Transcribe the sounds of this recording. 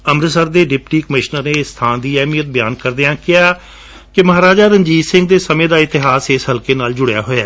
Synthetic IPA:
əmɾsəɾd̪eːɖɪp̚ʈiːkəmɪʃnəɾneːst̪ʰaːnd̪iːɛːmijət̪̚bəjaːnkəɾd̪ejãːkɪjaː | kɪməɦaːɾaːd͡ʒaːɾəɲd͡ʒiːsɪ̃ŋɡ̚d̪eːsəmẽːd̪aːɪt̪ɪɦaːsɪsɦəlkeːnaːld͡ʒʊɽeja̰ːɦoːaː

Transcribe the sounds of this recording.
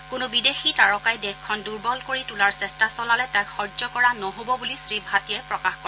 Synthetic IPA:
kʊnʊbidexitaɹɔkajdɛkʰːɔnduɹbɔlkoɹitulaɹsɛstasɔlalɛtajxɔɹd͡ʒɔkɔɹanɔɦobɔbulisɹibʱatiɛpɹɔkaxkɔɹ

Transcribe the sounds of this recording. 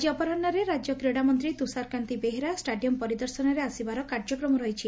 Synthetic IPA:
d͡ʒiɔpɔɾɔnːɔɾeɾad͡ʒjɔkɾeɽamɔnt̪ɾit̪usaɾkant̪ibeɦeɾasʈaɖiɔmpɔɾid̪ɔɾsɔnɔɾeasibaɾɔkaɾd͡ʒɔkɾɔmɔɾɔɦit͡ʃʰi

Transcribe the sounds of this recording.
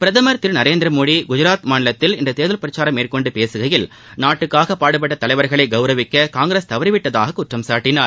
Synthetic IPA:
pɪɾɐðɐmɐɾt̪ɪɾnɐɾeːnd̪ɾɐmoːɽiɡʊd͡ʒʊɾaːt̪maːɳɪlɐt̪ːɪlɪnd̪ɐt̪eːðɐlpɾɐt͡ʃːaːɾɐmeːrkɔɳɖɯpeːsɯɣɐjɪl | naːʈːɯkːaːɣɐpːaːɽɯp̬ːɐʈːɐt̪ːɐlɐɪʋɐɾɣɐɭɐɪɡɐʊɾɐʋɪkːɐkaːŋɡɾeːst̪ɐʋɐɾɪʋɪʈːɐða̰ːɣɐkʊʈrɐmsaːʈːɪnaːɾ

